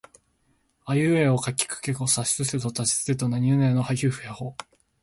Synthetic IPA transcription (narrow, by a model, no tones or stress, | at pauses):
ajɯ̟ːeokakʲːi̥kɯ̥kekosaɕi̥sɨset̪ot̪aɕi̥sɨ̥et̪onaɲ̟iɯnaano̞hajɯ̟ːɸɯ̟jahoː